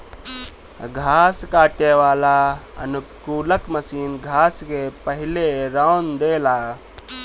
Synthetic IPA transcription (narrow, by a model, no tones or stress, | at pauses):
ɡʱaːskaːʈeʋaːlaə̰nukuːləkməsiːnɡʱaːskepəɦɪleɾaʊnd̪eːlaː